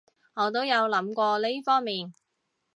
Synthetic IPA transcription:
ŋɔː˨˧t̪̬o˥wjɐ˨˧wlɐ˨˧˥mkʷɔː˧le˥jfɔː˥ŋmiː˨n

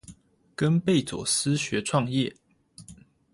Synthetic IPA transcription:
kə˦npe˥˨ɪt͡swɔ̰˨˩s̩˦ɕɥɛ˨˦ʈ͡ʂʰwɑ˥˧ŋjɛ˥˨

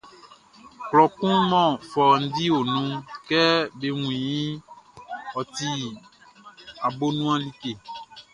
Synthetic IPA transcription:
klɔ˨kũ˦mɔ̃˦˨fɔ˨n̩˦di˦wo˨nũ˦kɛ˦be˨ŋũ˨jĩ˦ | ɔ˨t̪i˨ | a˨bo˦nũ˦a˦li˦ke˨

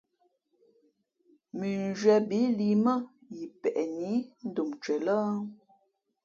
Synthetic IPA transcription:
mi˨n˨d͡ʒɥɛ˨bi˨˦li˨mə˦ | ji˨pɛ˨ʔɛ˨ni˨˦n̩˦du˨mt͡ʃɥɛ˨lə˦

